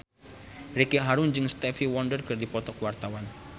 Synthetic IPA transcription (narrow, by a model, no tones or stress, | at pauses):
rekeɦaɾʊnd͡ʒɨŋst̪ɛfiwɔndərkɨrdipɔt̪ɔkwart̪awan